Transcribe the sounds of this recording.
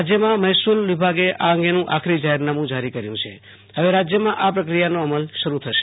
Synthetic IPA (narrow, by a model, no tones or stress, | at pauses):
d͡ʒjəmãmɛjsulʋibʱaɡeʔaəŋɡenũʔakʰɾid͡ʒaɦɛɾnamũd͡ʒaɾikəɾjũt͡ʃʰḛ | ɦəʋeɾad͡ʒjəmãʔapɾəkɾijanoəməlʃəɾut̪ʰəʃ